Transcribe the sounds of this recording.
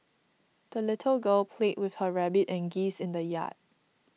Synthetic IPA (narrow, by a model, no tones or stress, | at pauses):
d̥əlɪtʰəlɡəlpʰleʔ̚wɪθhəɹɛbɪtɛ̃nɡisɪ̃ndəja̰t̚